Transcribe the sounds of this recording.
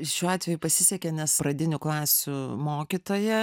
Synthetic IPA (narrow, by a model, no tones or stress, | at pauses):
ʃʲuːɑːt̪ʲʋʲɛjupɐsʲɪsʲɛkʲenʲɛspɾɐd̪ʲɪnʲʊklˠɑːsʲʊmoːkʲit̪oːjɛ